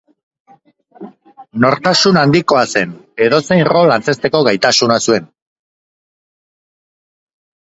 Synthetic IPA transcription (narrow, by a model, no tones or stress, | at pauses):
no̞ɾt̪asunand̪iko̞ase̞ne̞ðose̞jnro̞lːant͡se̞st̪e̞ko̞ɣajt̪asunasue̞n